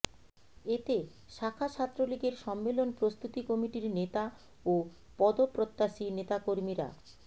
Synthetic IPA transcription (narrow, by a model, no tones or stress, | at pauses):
et̪e | ʃakʰat͡ɕʰat̪ːɾoliɡeɾʃɔmːelonpɾost̪ut̪ikɔmiʈiɾnet̪a | o | pɔd̪opɾot̪ːaʃinet̪akoɾmiɾa̰